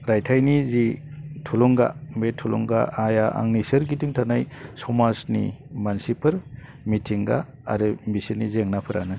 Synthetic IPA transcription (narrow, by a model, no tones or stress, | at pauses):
ɾajtʰajnizitʰulɔŋɡa̰metʰulɔ̰ŋɡa̰ʔajaʔa̰ŋnisɯɾɡitɯŋtʰanajsɔmasnḭmansipʰɯɾ | mitʰiŋɡa̰ː | ɾɯmisinizeŋnapʰɯɾanɯ